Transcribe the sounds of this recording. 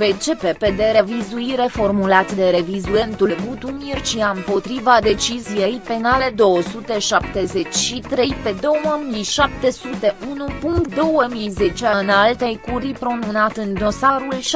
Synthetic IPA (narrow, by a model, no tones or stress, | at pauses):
pet͡ʃepeped̪e̞ɾevizuiɾe̞fo̞rmulat̪ʲd̪e̞ɾe̞vizue̞nt̪ulɡut̪umirʲt͡ʃiaɨmpo̞t̪ɾivad̪e̞t͡ʃizije̞jpe̞nale̞d̪o̞wəsut̪e̞ʃap̚t̪e̞ze̞t͡ʃʲʃit̪ɾe̞jpe̞d̪o̞wəmijʃap̚t̪e̞sut̪e̞ʔunupuŋkt̪d̪o̞wəmijze̞t͡ʃeaɨnalt̪ejkuɾipɾo̞nunat̪ɨnd̪o̞saɾulʃ